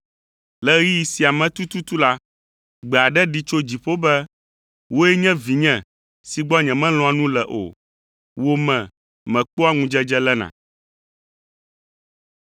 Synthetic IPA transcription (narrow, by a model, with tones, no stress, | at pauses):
lɛ˦i˦ji˨˦si˨a˨mɛ̃˦t̪u˦t̪u˦t̪u˦la˦ | ɡ͡bɛ˨a˨ɖɛ˦ɖi˦t͡ʃo˦d͡ʑi˨ɸo˦bɛ˦ | wo˦ɛ˦ɲɛ̃˦vi˨ɲɛ̃˨ | si˨ɡ͡bɔ˦ɲɛ̃˨mɛ̃˦l̃ɔ̃˦a˨nũ˦lɛ˨ʔo̰˨ | wo˦mɛ̃˨ | mɛ̃˨k͡po˦a˦ŋũ˦d͡ʒɛ˦d͡ʒɛ˦lɛ˦nã̰˨